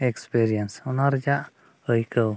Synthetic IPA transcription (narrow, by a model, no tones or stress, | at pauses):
ɛkspeɾiənsunaɾd͡ʒaʔ | əjkəw